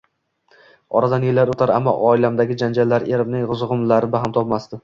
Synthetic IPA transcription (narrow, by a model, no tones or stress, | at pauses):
ɒɾad̪anjelːaɾot̪ʰaɾa̰mːɒ̰ʔɒɪlamd̪aɡʲɪd͡ʒand͡ʒalːaɾe̞ɾɪmnɪŋʁʊzʁʊmlaɾɪbaɦamt̪ʰɒpmast̪ɪ